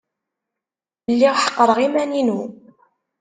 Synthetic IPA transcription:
lːiʁħə̥qːəɾˤəʁimæninu

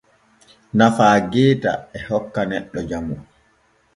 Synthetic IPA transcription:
nafaːɡɛːta̰ɛhɔkːanɛɗːɔd͡ʒamu

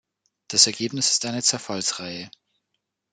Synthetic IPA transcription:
d̥asɛɐɡeːpnɪsɪ̥stʔaɪnət͡sɛɐfalsʁaɪə

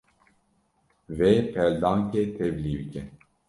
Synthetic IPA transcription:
vepʰɛld̪ɑːŋket̪ʰɛvliːbɨkɛ

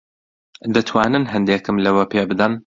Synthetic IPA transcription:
d̪ɐt̪ʰwaːnɨnɦɐnd̪eːkɨmlɐwɐpeːbɨd̪ɐn

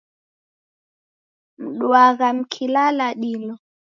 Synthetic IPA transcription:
m̩ɗwaɣam̩kʰilalaɗilɔ

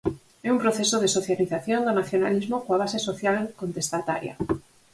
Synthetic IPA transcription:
ɛumpɾoθesoð̞esoθjaliθaθjond̪onaθjonalizmokoaβ̞asesoθjalkont̪est̪at̪a̰ɾja̰

